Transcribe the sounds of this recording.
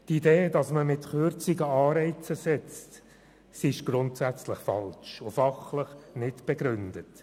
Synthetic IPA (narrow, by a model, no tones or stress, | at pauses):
tideːdɑsməmɪtχʏɾt͡siɡəɑːɾɛɪt͡səsɛt͡st | sɪʃɡ̥ɾʊntsæt͡sləχfɑ̰lt͡ʃʊfɑχləχnɪtb̥ɛɡɾʏndət